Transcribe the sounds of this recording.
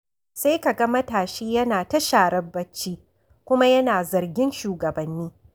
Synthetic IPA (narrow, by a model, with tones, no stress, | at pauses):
se˦jka˨ɡɐ˦mɐ˦taː˨ʃiː˦jɐ˦naː˨tɐ˦ʃaː˨ɾɐ˦bːɐ˦t͡ʃːiː˦ | kʷʊ˦ma˦jɐ˦naː˨zɐ˨rɡʲɪ˦nʃuː˨ɡɐ˨bɐ˨nːiː˦